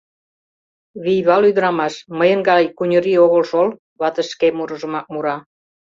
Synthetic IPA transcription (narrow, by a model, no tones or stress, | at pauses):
βijβɑlyd̪əɾɑmɑʃməjənɡɑjkunʲəɾioɣəlʃol | βɑt̪əʃkemuɾəʒə̆mɑk̚muɾɑ